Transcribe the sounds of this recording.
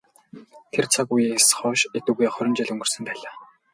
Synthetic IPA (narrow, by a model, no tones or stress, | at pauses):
t̪ʰert͡sʰakujisχɔːʃet̪ŭːɣeːχɔɾʲɪ̆nt͡ɕiɮɵŋɡɵ̆rsɵ̆mp̪æːɮaː